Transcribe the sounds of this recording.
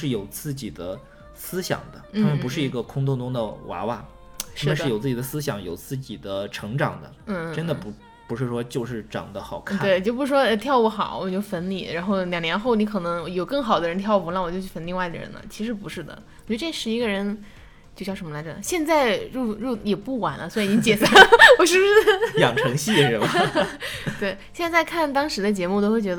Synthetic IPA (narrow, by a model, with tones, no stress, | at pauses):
ʂɻ̩˥˩jo˨˩ʊt͡sɹ̩˥˩t͡ɕi˨˩d̪ə˦ | sɹ̩˥ɕjɑ̰˨˩ŋd̪ə˦t̪ʰa˥mə˨npu˧˥ʂ̬ɻ̩˥˩i˧˥ɡə˧kʰʊ˥ŋt̪ʰʊ˥ŋtʊ˥ŋd̪ə̰˨wa̰˧˥wa̰˥˩ | ʂ̩˥˧ʂd̪̩˩jo˨˩ʊt͡sɹ̩˥˩t͡ɕi˨˩d̪ə˦sɹ̩˥ɕ̬jɑ˧˩˦ŋjo˨˩ʊt͡sɹ̩˥˩t͡ɕi˨˩d̪ə˦ʈ͡ʂʰɤ˧˥ŋʈ͡ʂɑ̰˨˩ŋd̪ə̰˦˥˩ʈ͡ʂə˥nd̪ə˨pu˧˥ | pu˧˥ʂɻ̩˥˩ʂwɔ˥t͡ɕjo˥˧ʊʂ̬ɻ̩˥˩ʈ͡ʂɑ̰˨˩ŋd̪ə˦xɑ˨˩ʊkʰat̪we˥˩ɪt͡ɕjo˥˩˧pu˧˥ʂɻ̩˥˩ʂwɔ˥˧t̪ʰjɑ˥˩ʊwɔ˧˥xɑ̰˨˩˦ʊwɔ˨˩t͡ɕo˥˩ʊfə˧˥nlḭ˨˩ɻa˧˥nxo˥˩ʊljɑ˨˩ŋnjɛ˧˥nxo˥˩ʊni˥kʰɤ˨˩nɤ˧˥ŋ˩jo˨˩ʊkɤ˥˩ŋxɑ˨˩ʊd̪ə˦ɻə˧˥nt̪ʰjɑ˥˧ʊ˥plɑ˥˩ŋwɔ˨˩t͡ɕo˥˧ʊ˩t͡ɕʰy˥˩fə˧˥nli˧wa˥ɪd̪ə̰˩ɻə̰˧˥˦nlə̰˧˩t͡ɕʰi˧˥ʂ̬ɻ̩˧˥pṵ˧˥ʂɻ̩˥˩d̪ə̰˩wɔ˨˩t͡ɕɛ˧˥ə˧ʈ͡ʂe˥˩ʂɻ̩˧˥i˧˥ɡə˧ɻə˧˥n | t͡ɕjo˥˧ʊt͡ɕjʂə˧˥mə˧la˧˥ɪʈ͡ʂa˨˩˦ɕjɛ˥˧nt͡sa˥˧ɪɻu˥˩ɻu˥˩jɛ˨˩pu˥˩wa̰˨˩nlə˦swɔ˧˥i˧˥˨t͡ɕi˥t͡ɕjɛ˨˩sa˥˩wɔ˨˩ʂɻ̩˥˩˥jɑ˨˩ŋʈ͡ʂʰɤ˧˥ŋɕi˥˩ə˧˥a˨˩t̪we˥˩ɪɕjɛ˥˧nt͡sa˥˧ɪkʰa˥˩nt̪ɑ˥ŋʂɻ̩˧˥d̪ə˧t͡ɕjɛ˧˥mu˥˩t̪o˥ʊxwe˥˩ɪt͡ɕʲɥd̪